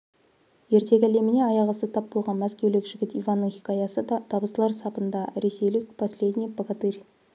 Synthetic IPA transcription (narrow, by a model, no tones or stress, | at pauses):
je̞ɾt̪ʰe̞kʲæle̞mɪne̞ɑjɑʁəsət̪ʰɑp̚bolˠʁɑnmæskʲe̞wlɪkʒ̥ɪɡʲɪt̪ijvɑnːəŋχikɑjɑsət̪ʰɑbəslˠɑɾsɑpənd̪ɑɾe̞se̞jlɪk̚pʰɑsle̞d̪ʲnʲijpokat̪irʲ